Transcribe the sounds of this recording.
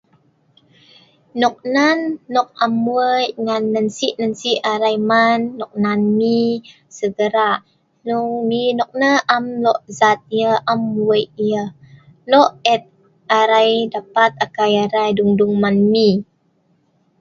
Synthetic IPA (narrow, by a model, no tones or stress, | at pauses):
nɔk̚nanːɔk̚amːuəjŋanːənsiʔnənsiʔaɾajmanːɔk̚nanmi | səɡəɾaʔ | luŋminɔk̚nəʔamlɔʔzat̪̚jəʔamːuəjiə | lɔʔɛt̪̚ | aɾajdapat̪̚akajaɾajduŋduŋmanmi